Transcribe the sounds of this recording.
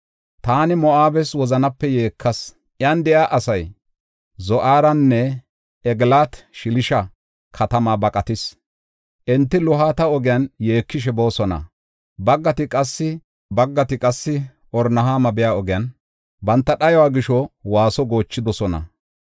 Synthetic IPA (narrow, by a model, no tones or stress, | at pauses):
t̪aːnɪmɔʔaːbɛswɔzɐnɐpːɛje̞ːkʰːɐs | ʔjand̪ɛjaːʔɐsɐj | zɔʔaːɾɐnːɛ | ɛɡlaːt̪ʃɪlɪʃɐ | kʰɐt̪ɐmaːbɐkʼɐt̪ɪs | ʔɛnt̪ːɪlɔɦaːt̪ɐɔɡɪjɐnje̞ːkːɪʃ̬ɛbo̞ːsɔnɐ̰ | bɐɡːɐt̪ɪkʼɐsːɪ | bɐɡːɐt̪ɪkʼɐsːɪ | ʔɔɾnɐɦaːmɐbɛjaːɔɡɪjɐn | bɐnt̪ːɐɗɐjɔwaːɡɪʃɔwaːsɔɡo̞ːt͡ʃːɪd̪ɔsɔnɐ̰